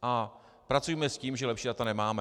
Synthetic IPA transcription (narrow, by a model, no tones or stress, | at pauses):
ʔa | pɾat͡sujɛmɛsciːmʒɛlɛpʃiːdat̪anɛmaːmɛ